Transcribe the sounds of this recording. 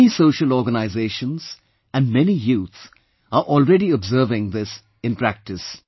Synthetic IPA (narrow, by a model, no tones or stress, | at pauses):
isoːʃəlɔːɾɡənaɪzeːʃə̃nz̥ | æ̃nɖmɛnijuːt̪s | aɾʔɔːlɹɛɖiɔbzəːvɪ̃ŋd̪ɪs | ɪ̃npɾæk̚ʈɪs